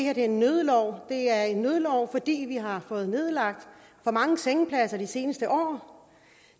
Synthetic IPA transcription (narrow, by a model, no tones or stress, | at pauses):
heɐd̥e̝ɐenːøːð̞ˠlɒʊ̰d̥e̝æɐe̝nːøð̞ˠlɒʊ̰fɒ̽d̥ḭːʋiɦɑ̈fɔ̽ːð̞̩ˠne̝ð̞ˠlɑ̈ɡ̥̚d̥ | fɒ̽mɑ̈ŋəseŋəpʰlæsɐd̥ise̝ːnəsd̥əʔɒ̰ː